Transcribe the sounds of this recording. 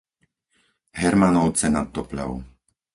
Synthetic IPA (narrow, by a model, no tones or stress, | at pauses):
ɦɛɾmanɔʊt͡sɛnat̪ːɔpla̰ʊ